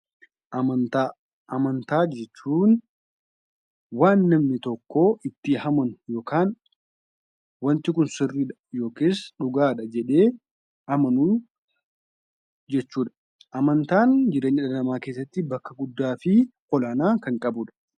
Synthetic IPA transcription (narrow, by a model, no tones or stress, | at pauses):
ʔɐmɐnt̪a | ʔɐmɐnt̪aːd͡ʒɛt͡ʃːuːn | waːnːɐmnɪt̪ɔkːoːʔɪt̪ːɪhɐmɐnʊjo̞ːkaːn | wɐnt̪ɪkʊnsɪrːiːᶑɐ̥jo̞ːke̞ːsᶑʊɡaːᶑɐd͡ʒɛᶑe̞ː | hɐmɐnu | d͡ʒɛt͡ʃːuːᶑɐ̥ | ʔɐmɐnt̪aːnd͡ʒɪɾe̞ːɲːɪᶑɐɐɐmaːke̞ːs̬ːɐt̪ːɪbɐkːɐɡʊd̪ːaːfɪʔɔlaːnaːkɐŋkʼɐbʊᶑɐ̥